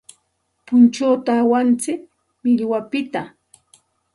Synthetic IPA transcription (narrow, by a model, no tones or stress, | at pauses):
pʊnt͡ʃoːt̪aːwant͡sɪk | mɪʎwapɪt̪a